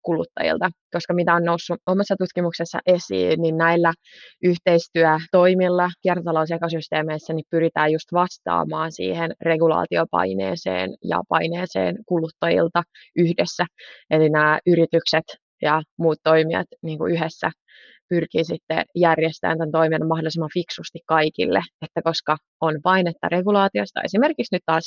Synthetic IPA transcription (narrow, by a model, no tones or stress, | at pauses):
kulut̪ːɑ̰jḭlt̪ɑko̞skɑmit̪æonnousːuʔomɑsːɑt̪ut̪kimuksesːɑ̰ʔe̞sḭːnːinnæilːæ | ʔyht̪eist̪yæt̪o̞imilːɑkiɛrt̪ot̪ɑlousekosyst̪eːmeisːænippyɾit̪æːjjust̪ʋɑst̪ɑ̰ːmɑːnsḭːhenre̞ɡulɑ̰ːt̪iopɑ̰inḛːsḛːnjɑ̰pɑineːsḛːnkulut̪ːɑjḭlt̪ɑ | yhdesːæelinæːʔyɾit̪ykset̪ | jɑmuːt̪t̪ːoimiɑ̰t̪niːŋkṵyɦesːæ̰ | pyrkiːsit̪ːḛjærjest̪æ̰ːnt̪ænt̪oiminːmɑhdolisimːɑfiksust̪ikkɑikḭlːeet̪ːæko̞skɑ | onpɑinet̪ːɑ̰reɡulɑːt̪iost̪ɑ̰e̞sime̞rkiksnyt̪t̪ɑːs